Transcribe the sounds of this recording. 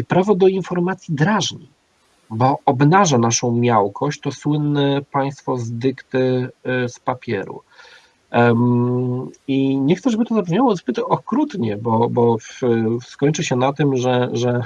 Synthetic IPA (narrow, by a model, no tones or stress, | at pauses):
pɾavɔd̪ɔinfɔɾmat̪sʲjid̪ɾaʐɲḭ | bɔʔɔbnaʐanaʂɔ̃w̃mʲjawkʰɔɕt͡ɕt̪ɔswɘnːɛpaj̃st̪fɔzd̪ɘkt̪ɘspapʲjɛ̰ɾṵ | iɲɛxt̪sɛʐɛbɘt̪ɔzapɛvɲawɔzbɘt̪ɔkɾut̪ɲɛbɔbɔfskɔɲʲt͡ʂɘɕɛnat̪ɘmʐɛʐɛ